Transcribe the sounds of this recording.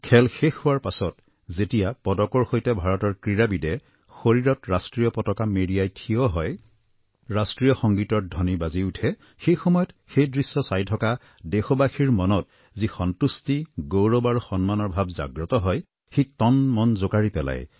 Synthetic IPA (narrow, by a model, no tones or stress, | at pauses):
kʰɛlxexhʊwaɹpasɔt | zetijapɔdɔkɔɹxojtɛbʱaɹɔtɔɹkɹiɹabidɛ | xoɹiɹɔtɹastɹijɔpɔtɔkameɹijajtʰijɔɦɔj | ɹastɹijɔxɔŋɡitɔt̚dʱɔnibaziutʰɛ | xejxɔmɔjɔtxejdɹisːɔsajtʰɔka | dexɔbaxiɹmɔnɔt̚ | zixɔntustiɡowɹɔbaɹuxɔnmanɔɹbʱabza̰ɡɹɔtɔɦɔj | xejtɔnmɔnzokaɹipɛla̰j